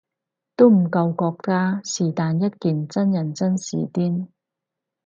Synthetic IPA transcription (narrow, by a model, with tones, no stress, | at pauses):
t̪o˥wm̩˨˩kɐ˧wkɔː˧k̚taː˥siː˨˩t̪aː˨˧njɐ˥t̚kiː˨nt͡sɐ˥njɐ˨˩nt͡sɐ˥nsḭː˨t̪iː˥n